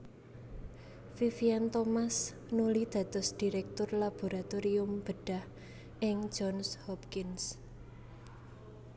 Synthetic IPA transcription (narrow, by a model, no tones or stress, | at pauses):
fifiant̪ɔmas | nulid̪̥ä̤t̪ʊ̤sd̪̥i̤ɾɛk̚t̪ʊrlab̥o̤ɾat̪oɾiʊmb̥əɖ̥ah | ʔɪŋ̥d͡ʒɔnshɔpkɪns